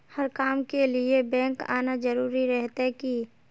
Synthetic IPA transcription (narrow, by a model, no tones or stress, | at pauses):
həɾkaːmkeliebɛ̃ːŋka̰ːnad͡ʒəɾuːɾiɾɛɦt̪aki